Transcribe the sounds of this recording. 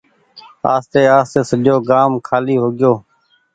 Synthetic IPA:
a̰ːst̪eːaːst̪eːsəɗjoːɡaːmkʰaːliːɦoːɡɪjoː

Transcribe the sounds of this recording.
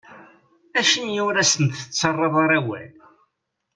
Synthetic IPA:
æʃənjʊɾæsənt̪ət͡sːɑrˤːɑðˤɑɾˤæwæ̰n

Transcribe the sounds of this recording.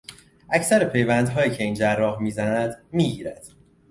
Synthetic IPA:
ʔæcʰsæɾepʰe̞jvænd̪ɦɒːiːcʰeiːnd͡ʒærːɒːɦmiːzænæd̪miːɟiːɾæd̪̥

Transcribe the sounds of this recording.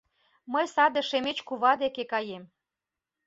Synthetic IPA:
məjsɑd̪ĕʃemet͡ɕkuβɑd̪ekekɑjem

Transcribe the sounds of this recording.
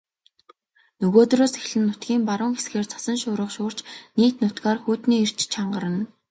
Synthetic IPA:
nɵɣoːt̪roːsexɮɘ̆nːʊt̪ɡʲiːmpaɾʊːŋxesxeːrt͡sʰḁsə̆nʃʊːɾə̆qʃʊːr̥t͡ɕniːt̪nʊt̪ɡaːrxuːt̪niːir̥t͡ɕt͡ɕʰaɴɢə̆ɾə̆n

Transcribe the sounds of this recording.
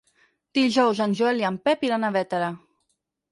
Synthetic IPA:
d̪̥iʒɔwzanʲʒuɛliampɛpiɾanaβɛt̪aɾa

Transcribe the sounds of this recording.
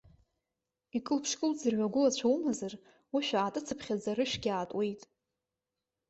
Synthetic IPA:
ikʼɨlpʰʂkʼɨld͡zɨrɥʷaɡʷʊlat͡ɕʷʰawmazar | wiʃᶣaːtʼɨt͡sʰɨpʰχʲad͡zaɾɨʃɡʲaːtʼwejtʼ

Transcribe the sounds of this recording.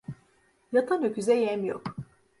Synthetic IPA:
jat̪ʰanøkʰyzɛjɛmjo̰k

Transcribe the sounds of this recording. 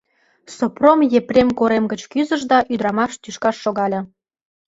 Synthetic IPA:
sopromjeprʲemkoɾemɡət͡ɕkyzəʒd̪ɑʔyd̪ɾɑmɑʃt̪yʃkɑʃːoɣɑlʲɤ̆

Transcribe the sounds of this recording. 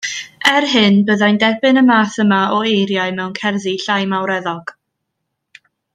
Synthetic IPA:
ɛrɦɪnbəðajndɛbɨnəmaːθəmaɔejɾjaɨmɛwnkʰɛrðiɬajmawɾɛðɔɡ̥

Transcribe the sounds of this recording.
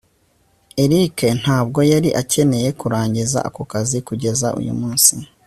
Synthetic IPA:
e̞ɾike̞n̥haːb̚ɡo̞jaɾiʔace̞ne̞je̞kuɾaːɲɟiza̰ʔakokazikuɟe̞zaʔṵjṵmuːnsi

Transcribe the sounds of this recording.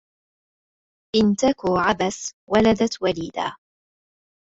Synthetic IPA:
ʔɪnt̪akuːʕabaswalad̪at̪waliːd̪a̰ː

